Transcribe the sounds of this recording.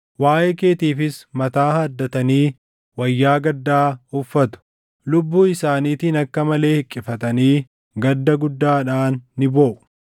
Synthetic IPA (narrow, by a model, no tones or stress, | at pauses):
waːʔeːke̞ːt̪iːfɪsmɐt̪aːhaːd̪ːɐt̪ɐniː | wɐjːaːɡɐd̪ːaːʊfːɐt̪ʊ̥ | lʊbːuːɪsaːniːt̪ɪnɐkːɐmɐle̞ːhɪkʼːɪfɐt̪ɐniː | ɡɐd̪ːɐɡʊd̪ːaːᶑaːnːɪboːʔʊ̥